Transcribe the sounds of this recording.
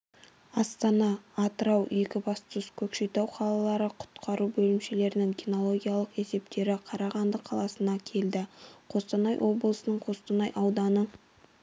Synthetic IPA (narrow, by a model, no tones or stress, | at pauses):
ɑst̪ɑnɑːt̪əɾɑwe̞kʲɪbɑst̪əskʲʰɵkʃejt̪ɑwqʰɑlˠɑlˠɑɾəqʰʊ̥t̪qɑɾubɵlɪmʃe̞le̞ɾɪnɪŋkʲino̞lˠo̞ɡʲijalˠəqe̞se̞p̚t̪e̞ɾɪqʰɑɾɑʁɑnd̪əqʰɑlˠɑsənɑkʲʰe̞ld̪ɪqʰo̞st̪ɑnɑjwo̞blˠəsənəɴqʰo̞st̪ɑnɑjʔɑwd̪ɑnə